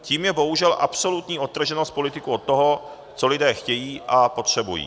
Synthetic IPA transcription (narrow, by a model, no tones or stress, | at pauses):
ciːmjɛbo̞ɦuʒɛlʔa̰pso̞lut̪ɲiːʔo̞t̪̚ːr̩ʒɛnost̪̚po̞lɪt̪ɪkuo̞t̪̚tːo̞ɦo̞ | t͡so̞lɪdɛːxcɛjiːʔapo̞t̪r̝̥ɛbujḭː